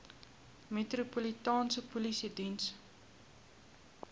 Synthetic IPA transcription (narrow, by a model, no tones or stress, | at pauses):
metropolitɑːnsəpulisidins